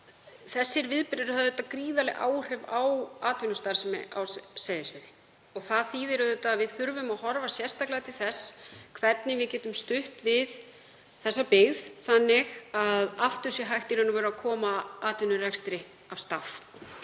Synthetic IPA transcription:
θɛsːɪɾvɪðpɪɾɾʏhaðɛt̪ːakɾiːðalɪɣʔa̰ːwr̥ɛvawaːt̪vɪnʏst̪aɾsmɪ̰ʔa̰wsseːjðɪsɪðɪ | ɔɣθaðθiːðɪɾʏðɛt̪ːaːðvɪðθʏɾvʏmaðhɔɾvasjɛrst̪aklaɣat̪ʰɪlθɛsːkʰvɛt̪nɪvɪðcɛːt̪ʏmst̪ʏht̪vɪð | θɛsːapɪɣðθanːɪɣaðaft̪ʏ̥sɛɦajht̪ɪɾʏnːʏvɛːɾakʰɔːmaaːt̪vɪnʏrɛkst̪ɾɪ | av̥st̪af

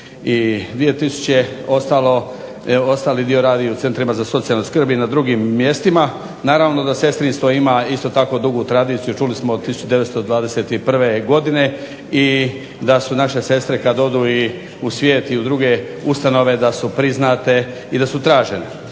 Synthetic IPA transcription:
id̪ʋije̞t̪isu̥t͡ɕeo̞st̪alo̞ | o̞st̪aːlid̪io̞ɾaːd̪iut̪se̞nt̪ɾimazaso̞t̪sialnoskr̩binad̪ɾuɡimːje̞st̪ima | naːɾaʋno̞d̪ase̞st̪ɾinst̪ʋo̞imaist̪o̞t̪ako̞d̪uɡut̪ɾad̪iːt̪sijut͡ʃulismood̪t̪isu̥t͡ʃud̪e̞ʋet̪st̪od̪ʋaːd̪ese̞t̪ipr̩ʋeɡo̞d̪ine̞ | i | d̪asunaʃe̞se̞st̪ɾe̞kad̪o̞d̪ui | usʋʲje̞ːt̪iud̪ɾuɡe̞ | ust̪ano̞ʋe̞d̪asupɾiznat̪e̞ | id̪asut̪ɾaːʒene

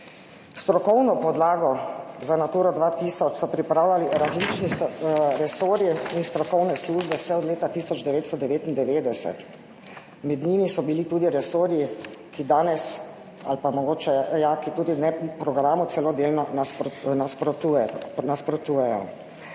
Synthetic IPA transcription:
st̪ɾɔkɔwnɔpɔd̪laːɡɔzanat̪uːɾɔd̪ʋat̪iːsɔt͡ʃsɔpɾipɾaːwlʲaliɾazlit͡ʃnisɾɛsoːɾiinst̪ɾɔkɔwnɛsluːʒbɛsɛɔd̪leːt̪at̪iːsɔd͡ʒd̪ɛʋeːt̪st̪ɔd̪ɛʋeːt̪ind̪ɛʋeːd̪ɛsɛ̰t̪ | mɛd̪niːmisɔbilit̪uːd̪iɾɛsoːɾjikid̪aːnɛs | a̰lpamɔɡoːt͡ʃɛjakit̪uːd̪inɛpɾɔɡɾaːmut̪sɛlɔd̪eːlnɔnanaspɾɔt̪unaspɾɔt̪uːjɛjɔ̰

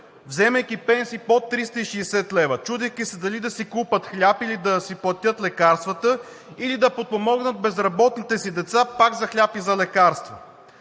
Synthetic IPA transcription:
vzɛmɛjk̟ʲipɛnsipot̪ːɾist̪əiʃɛːsɛt̪lɛvət͡ʃud̪ɛjkʲisɛd̪ɐlid̪ɐsikupət̪xlʲapilid̪ɐsiplˠɐt̪ʲɤt̪lɛkaɾst̪vət̪ə | ilid̪ɐpot̪̚pomɔɡnət̪̚bɛzɾɐbɔt̪nit̪ɛsid̪ɛt̪sapaɡzɐxlʲapizɐlɛkaɾst̪vo

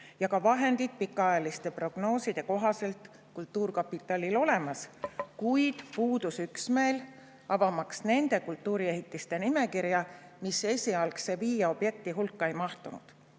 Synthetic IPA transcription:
jɑkɑvɑɦe̞nd̪̥id̪̥̚pikːˑɑɑjɑlist̪e̞pro̞ɡ̥no̞ːsid̪̥e̞ko̞ɦɑse̞lt̪ | kult̪ːuːrkɑpit̪ːˑɑlilo̞le̞mɑskujd̪̥puːd̪̥usyksmeːl | ɑvɑmɑksne̞nd̪̥e̞kult̪ːˑuːɾie̞ɦit̪ːˑist̪e̞nime̞kiɾjɑmise̞sʲiɑlkse̞viːjɑo̞b̥je̞k̚t̪iɦulkːɑejmɑht̪unṵd̪̥

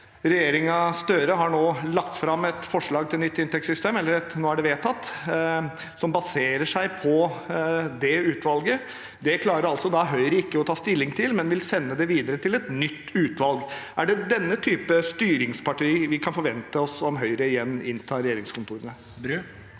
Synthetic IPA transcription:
ɾɛjeːɾɪŋɑst̪øːɾəɦɑɳoːlɑkt̪fɾɑmɛt̪fɔʂɭɑːɡ̚t̪ʰɪlnʏt̪ːɪnt̪ɛksʏst̪eːmɛlːəɾɛt̪noːæɖɛʋeːt̪ʰɑt̪ː | sɔmbɑseːɾəʂæɪpʰɔ | d̪ɛʉːt̪ʋɑlɡə | d̪ɛkʰlɑːɾəɾɑlsɔd̪ɑɦœʏɾəɪkːəɔt̪ʰɑːst̪ɪlːɪŋt̪ʰɪlmɛnʋɪlsɛnːəd̪ɛʋiːd̪əɾət̪ʰɪlɛt̪nʏt̪ːʉːt̪ʋɑlɡʔæɖɛd̪ɛnːət̪ʰyːpəst̪yːɾɪŋspɑʈʰiːʋɪkʰɑnfɔɾʋɛnt̪əɔsɔmɦœʏɾəɪjɛnːɪnt̪ʰɑːɾɛjeːɾɪŋskʊnt̪ʰuːɾənə

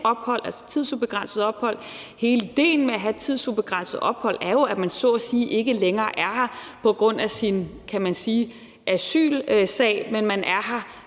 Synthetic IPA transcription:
ɒ̽b̥hɒ̽l̰ʔælsɐ̥t͡sʰiðˠsub̥e̝ɡ̥ʁɑ̈n̰səðˠɒ̽b̥hɒ̽l̰he̝ːləid̥e̝̰ːn̩meæɦæt͡sʰið̞̰ˠsub̥e̝ɡ̥ʁɑn̰səð̩ˠɒ̽b̥hɒ̽l̰æɐjo̝æ̥mænsɔ̰siːʔe̝ɡ̥əleŋɐːʔæɐhɑ̈pʰɒ̽ɡ̥ʁɔ̽n̰æsinkʰæmænsiː | ʔæsy̰ːlsɛ̰ɪmenmænʔæɐɦɑ̈

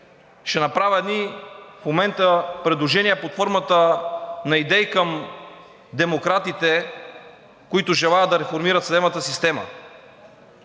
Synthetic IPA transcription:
ʃɛnɐpɾavʲəɛd̪nifmomɛnt̪əpɾɛd̪lˠoʒɛniɛpot̪foɾmət̪ənɐid̪ɛikəm | d̪ɛmokɾat̪it̪ɛ | koit̪ʊʒɛlˠajəd̪ɐɾɛfoɾmiɾɐt̪sd̪ɛbnət̪əsist̪ɛmə̰

